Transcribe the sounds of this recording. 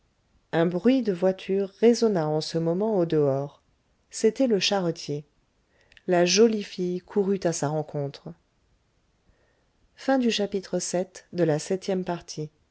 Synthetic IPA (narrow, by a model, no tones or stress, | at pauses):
ɛ̃bʁɥid̪əvwat̪ʰyʁːezɔnaɑ̃səmɔmɑ̃od̪əɔːʁ | set̪ɛləʃaʁɔt̪ʰje | laʒɔlifijkʰuʁyt̪asaʁɑ̃kʰɔ̃t̪χ | fɛ̃d̪yʃapit̪χəsɛt̪d̪əlasɛt̪jɛmpaʁt̪ʰi